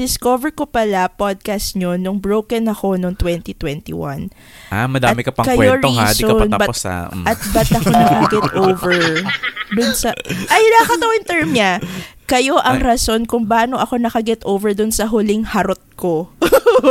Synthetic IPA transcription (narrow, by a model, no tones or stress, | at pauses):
d̪ɪskovɛɹkopɐlapod̪̚kast̪ɲonʊŋbɹowkɐnɐko̞noŋt̪wɛnt̪it̪wɛnt̪ḭwɐ̰n | ʔamɐd̪aːmɪkɐpɐŋkɐkɐjwɛoɹoia̰d̪soɐɐnabɐpsa̰ʔɐt̪̚bɐt̪ɐko̞nɐkɐɡɛt̪ʔowvɛɹd̪ʊnsɐʔɐjnakɐt̪ɐwɪnt̪ɛɹmɲakɐjo̞ʔɐŋɾɐso̞nkʊŋbaːno̞ʔɐko̞nɐkɐɡɛt̪ʔoːwvɛɹd̪ʊnsɐɦʊlɪŋhɐɾot̪̚ko